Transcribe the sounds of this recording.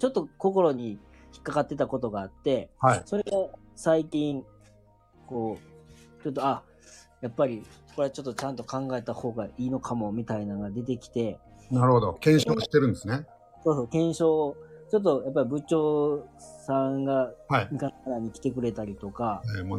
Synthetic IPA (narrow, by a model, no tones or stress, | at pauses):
t͡ɕo̞t̪ːo̞ko̞ko̞ɾo̞ɲ̟i | çi̥kːakat̪ːe̞t̪ako̞t̪o̞ɡaːt̪ːe̞haiso̞ɾe̞ɡa | saikʲĩŋ | ko̞ːt͡ɕo̞t̪ːo̞a | japːaɾʲioko̞ɾe̞at͡ɕo̞t̪ːo̞t͡ɕãnt̪o̞kãŋɡae̞t̪aho̞ːɡaiːnokʰamo̞mʲit̪ainaɡad̪e̞t̪̬e̞kʲi̥t̪e̞ | naɾɯhod̪okẽɰ̃ɕoɕi̥t̪eɾɯ̟̃nd̪esɨne | so̞ːso̞ːkẽ̞ɰ̃ɕo̞ːt͡ɕo̞t̪̬ːo̞japːaɾʲibɯ̟t͡ɕo̞ː | sãŋɡahaimikanaɾaɲ̟ikʲi̥t̪e̞kɯ̟ɾe̞t̪aɾʲit̪o̞kaeo